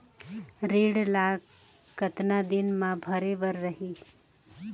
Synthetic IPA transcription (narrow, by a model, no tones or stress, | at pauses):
ɾeɽlaɡ | kət̪nad̪inmãbʱəɾebəɾːəɦi